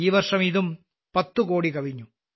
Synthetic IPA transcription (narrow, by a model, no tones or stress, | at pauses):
iːʋɐrʂɐmiðum | pɐt̪ːukoːɽikɐʋiɲːu